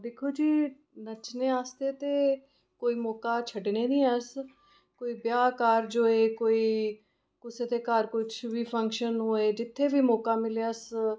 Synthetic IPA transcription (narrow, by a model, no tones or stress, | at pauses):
d̪eːkʰoːd͡ʒiː | nət͡ʃneːaːst̪eːt̪eː | koːiːmɔːkaːt͡ʃʰəɖneːnĩːɛs | koːiːbjaːkaːɾd͡ʒoːeːkoːiː | kʊseːt̪eːkaːɾkʊt͡ʃʰʋiːpʰə̃ŋkʃənɦoːeːd͡ʒɪt̪ʰːeːʋiːmɔːkaːmɪljaːs